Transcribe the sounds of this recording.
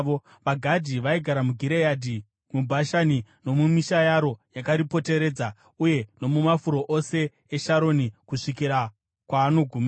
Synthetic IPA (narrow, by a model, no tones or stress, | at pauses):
o | ʋaɡʱadʱiʋaiɡʱaɾamuɡʱiɾejadʱi | mubʱaʃanino̞mumiʃajaɾo̞jakaɾipo̞te̞ɾe̞ːd͡za | uje̞no̞mumafuɾo̞ʔose̞ː | ʃaɾo̞nikuʂikiɾa | kwaːno̞ɡʱuma